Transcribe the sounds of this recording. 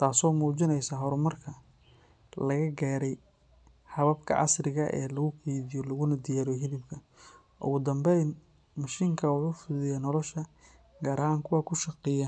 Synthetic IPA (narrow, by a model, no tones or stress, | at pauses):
t̪ʰaːsɔːmuːt͡ʃɪnɛjsaːɦɔɾɔmɐrkʰɐ | lɐɣɐɡaːɾɛj | hɐβɐbkʰɐ̰ʕɑ̰srɪɣɐʔɛ̰ːlɐɣʊkʰiːðɪjɔlɐɣʊnɐd̪ɪjaːɾɔɦɪlɪbkʰɐ | ʔʊ̰ɣʊd̪ɐmbɛjn | mɐʃɪŋkʰɐwʊħuːfʊðɪjaːnɔlɔʃɐ | ɡɐːɾaŋkʰʊwɑːkʰʊʃɑqɪjɐ